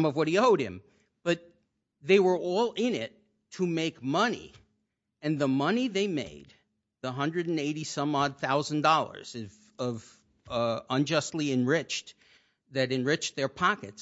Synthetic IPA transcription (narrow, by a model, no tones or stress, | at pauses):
mʌvwʌɾ̚ioʊɾ̚ɨ̰̃m | b̥ʌt̪̚ | ðeɪwə˞ʔɔlˠɪ̃nɪtʰ | əmeɪkmʌnḭ | ɨ̃nðəmʌniðeɪmḛɪd̪̚ | ðəɦʌ̃ndɹɨɾn̩eɪɾisʌ̃mɔd̪̚θaʊzn̩dɔlˠə̰˞z̥ʌv | ʌv | ə̃nd͡ʒʌstˡliɨ̃nɹɪt͡ʃ | ðɨɾɨ̃nɹɪt͡ʃðə˞pʰɑkɨ̰ts